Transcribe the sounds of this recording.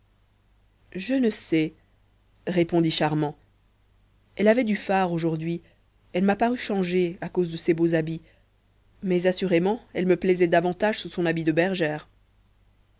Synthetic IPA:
ʒənəsɛ | ʁepɔ̃d̪iʃaʁmɑ̃ | ɛlavɛd̪yfaʁoʒuʁd̪ɥi | ɛlmapaʁyʃɑ̃ʒeakozd̪əsebozabi | mɛzasyʁemɑ̃ɛlməplɛzɛd̪avɑ̃t̪aʒsusɔ̃nabid̪əbɛʁʒɛːʁ

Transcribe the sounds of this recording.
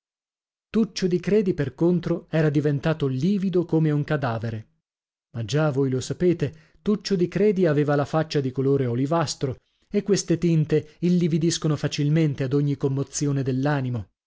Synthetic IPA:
t̪ut͡ʃːod̪ikɾɛːd̪iperkont̪ɾoɛːɾad̪ivent̪aːt̪oliːvid̪okomeuŋkad̪aːveɾe | mad͡ʒavojlosapeːt̪e | t̪ut͡ʃːod̪ikɾɛːd̪iaveːvalafat͡ʃːad̪ikoloːɾeolivast̪ɾo | ekːwest̪et̪int̪eilːivid̪iskonofat͡ʃilment̪ead̪oɲːikomːot̪sjoːned̪elːaːnimo

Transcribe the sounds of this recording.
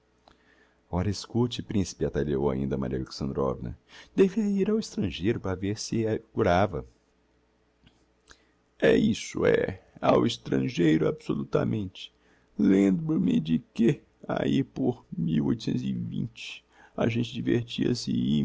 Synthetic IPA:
ɔɾɐɪskut͡ʃɪpɾĩsɪ̥pɪat̪aʎeowa̰ĩnd̪ɐma̰ɾiɐleksɐ̃nd̪ɾɔ̰vinɐ̰d̪eviɐiɾawɪst̪ɾɐ̃ʒejɾʊpɾɐveɾsɪɛɡuɾavɐ | ɛisʊɛawist̪ɾɐ̃ʒejɾʊabsolut̪ɐmẽnt͡ʃɪ̥ | lẽd̪ʊmɪd͡ʒɪkɪ | a̰ipoɾmiwo̰jt̪ʊsẽt̪ʊzɪvḭ̃nt͡ʃɪ̥ | aʒẽnt͡ʃɪd͡ʒiveɾt͡ʃiɐ̰sɪ

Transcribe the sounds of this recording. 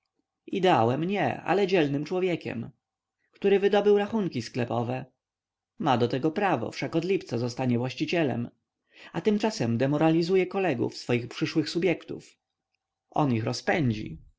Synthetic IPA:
id̪ɛawɛmɲɛ̰a̰lɛd͡ʑɛlnɘmt͡ʂwɔvʲjɛkʲɛ̰m | kt̪uɾɘvɘd̪ɔbɘwɾaxuŋkʲisklɛpɔvɛ | mad̪ɔt̪ɛɡɔpɾavɔ̰fʂakɔd̪lʲipt̪sazɔst̪aɲɛvwaɕt͡ɕit͡ɕɛlɛ̰m | at̪ɘmt͡ʂasɛmd̪ɛmɔɾalʲizujɛkɔlɛɡṵfsfɔjixpʂɘʂwɘxsubʲjɛkt̪ṵf | ɔ̰nixɾɔspɛɲd͡ʑḭ

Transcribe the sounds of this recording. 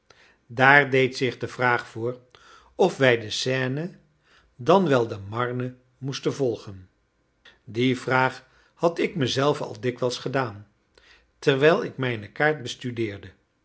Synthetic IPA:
daːrdejtsɪχdəvraːχfʊːr | ɔfʋɛjdəsɛːnə | dɑnʋɛlˠdəmɑɹnə | mustənvɔlˠχən | divraːχ | hɑtɪkməzɛlˠvəɑ̰lˠdɪkʋɛlˠsχədaːn | təɹʋɛjlˠɪkmɛjnəkaːɹt̚bəstydɪːɹdə

